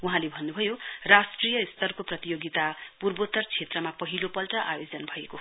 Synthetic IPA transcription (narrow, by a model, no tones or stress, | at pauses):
uɦãlebʱʌnːubʱʌjorasʈrijʌist̪ʌrkoprʌt̪ijoɡit̪apurbot̪ʌrt͡sʰet̪rʌmapʌɦilopʌlʈʌʔa̰jod͡zʌnbʱʌeko